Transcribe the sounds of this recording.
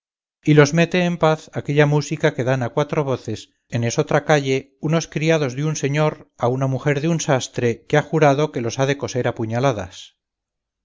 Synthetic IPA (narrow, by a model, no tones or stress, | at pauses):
ilo̞zme̞t̪e̞ːmpaθake̞ʎamusikake̞ðanakwat̪ɾo̞β̞o̞θe̞s | ene̞so̞t̪ɾakaʎe̞ | uno̞skɾiað̞o̞zðeunse̞ɲo̞ɾaunamuxeɾðeunsast̪ɾe̞keaxuɾaðo̞ke̞lo̞saðe̞ko̞se̞ɾapuɲalaða̰s